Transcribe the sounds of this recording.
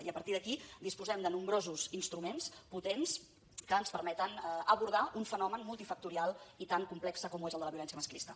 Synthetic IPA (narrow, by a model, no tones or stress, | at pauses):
iəpəɾt̪iðəkid̪ispuzɛmd̪ənumbɾozuzinst̪ɾumensput̪ens | kəːnspəɾmɛt̪ənəβuɾð̞aʔuɱfənɔmənmulˠt̪ifək̚t̪uɾialˠit̪aŋkumplɛksəkɔmuezəlˠd̪ələβjiulɛnsjəməsklist̪ə